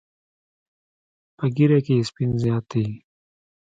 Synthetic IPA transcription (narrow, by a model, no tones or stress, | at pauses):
pəɡiɾakeːspinzjaːt̪i